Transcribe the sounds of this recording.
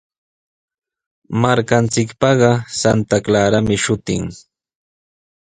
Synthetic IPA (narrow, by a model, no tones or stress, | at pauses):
maɾkant͡sɪkpɑɢɑsant̪aklaɾamɪʃʊt̪ɪŋ